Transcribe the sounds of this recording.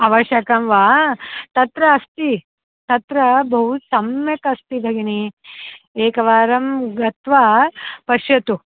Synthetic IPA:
ɐʋɐʃjɐkɐmʋaːt̪ɐt̪ɾɐːst̪i | t̪ɐt̪ɾɐbʱɐɦusɐmjɐkɐst̪ib̪ʱɐɡini | eːkɐʋaːɾɐmɡɐt̪ʋapɐʃjɐt̪u

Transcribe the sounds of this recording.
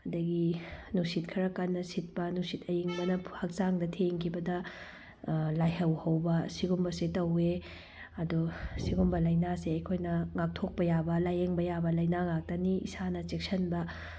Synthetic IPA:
ɐdɐɡinusit̚kʰɐɾɐkanːɐsit̚pɐnusitɐjiŋbɐnɐhɐk̚zaŋdɐtʰeŋkʰibɐdɐ | lajɦɐwhɐwbɐsiɡumbɐsetɐwe | ɐdusiɡumbɐlɐjnaseɐjkʰojnɐŋak̚tʰok̚pɐjabɐlajeŋbɐjabɐlɐjnaŋak̚tɐniḭsanɐt͡ʃek̚sɐnbɐ

